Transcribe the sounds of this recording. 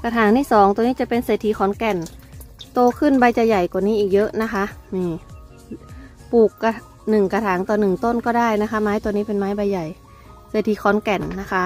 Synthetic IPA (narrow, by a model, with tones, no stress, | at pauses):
kaː˧t̪ʰaː˨˩˦ŋt̪ʰiː˥˩sɔː˨˩˦ŋt̪u˧niː˦˥˩t͡ɕa˨˩pe˧nseː˨˩t̪ʰːiː˧˥˩xʰɔː˨˦nkɛ˨˩nt̪oː˧kʰɯ˧˥˩nba˧jt͡ɕa˨˧˩jːa˨˩jka˨˩niː˦˥ʔiː˨˩k̚jɤ˦˥ʔna˦˥kʰa˦˥ʔniː˧˩ | puː˨˩kːa˧ | nɯ˨˩ŋka˧t̪ʰaː˩˦ŋt̪ɔː˨˩nɯ˨˩ŋt̪o˥˩˨nkɔː˥˩daː˥˩jna˦˥kʰa˦˥maː˦˥jt̪u˧˨niː˦˥pe˧nmaː˦˥jba˧jːa˨˩j | seː˨˩t̪ʰi˧˩kʰɔː˨˦nkɛ˨˩nːa˦˥kʰa˦˥ʔ